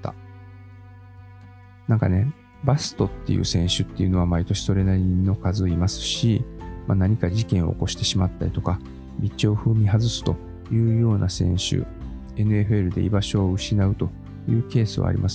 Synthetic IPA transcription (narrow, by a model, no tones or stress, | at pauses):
t̪a̰ | nãŋkane̞ | basɨ̥t̪o̞t̪ːe̞̰jɯ̰ːsẽ̞ɰ̃ɕɨt̪ːe̞jɯ̟no̞β̞amait̪o̞ɕi̥so̞ɾe̞naɾʲino̞kazɨimasɨ̥ɕimanaɲ̟ikad͡ʑikẽ̞ɰ̃o̞̰ːko̞ɕi̥t̪e̞ɕimat̪ːaɾit̪o̞ka | mʲit͡ɕo̞ːɸɯ̟ːmʲiɦazɨsɨ̥t̪o̞ | jɯ̟ːjo̞ːnʔasẽ̞̰ɰ̃ɕɨ̰ | e̞nɯe̞ɸɯ̟e̞ɾɯ̟d̪e̞̰ḭbaɕo̞ːɯ̟ɕinaɯ̟t̪o̞ | jɯːke̞ːsɨβa̰ɾʲḭmʔasɨ̥